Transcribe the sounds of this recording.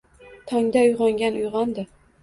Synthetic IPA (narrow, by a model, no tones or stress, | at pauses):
t̪ʰɒŋd̪aʊjʁɑŋɡʲanʊjʁɑnd̪ɪ